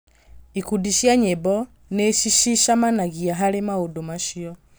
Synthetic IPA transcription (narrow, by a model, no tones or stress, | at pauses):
ikudiʃjaɲɛbɔ | nɛʃiʃiʃamanaɣiaɦalɛmaudumaʃiɔ